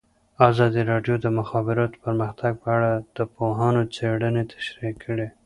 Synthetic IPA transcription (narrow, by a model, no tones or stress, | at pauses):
ɑzɑd̪iɾɑɖjod̪əmʊxɑbɪɾɑt̪pəɾməxt̪aɡ̚pəaɽad̪̥əpoɦɑnot͡seɽənet̪ʰḁʃɾikʰːəɽe